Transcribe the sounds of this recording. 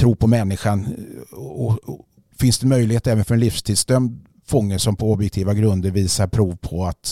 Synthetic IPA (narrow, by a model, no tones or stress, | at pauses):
t̪ʰɾuːpʰɔmɛnːɪɧan | ɔ | fɪnsd̪ɛnmœjlɪheːt̪ɛːvənfœɾɛnlɪfst̪ʰɪːd̪sd̪œmd̪ | fɔŋːəʂɔmpʰɔɔbjɛkt̪ʰiːvaɡɾɵnd̪əɾviːsaɾpʰɾuːvpʰɔat̪